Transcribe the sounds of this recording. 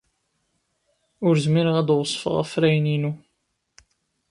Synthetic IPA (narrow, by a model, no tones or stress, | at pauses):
ʊɾzmiɾəʁæd̪wsˤːfə̰ʁæ̰fɾæjninu